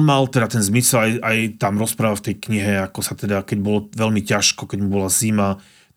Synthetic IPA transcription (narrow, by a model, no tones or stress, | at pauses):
malt̪ɛd̪at̪ɛnzmisɛlajajt̪amɾɔspɾaːʋaft̪ɛjkɲiɦɛakɔsat̪ɛd̪akɛɟbɔlɔʋɛlmicaʃkɔkɛɟmubɔlazima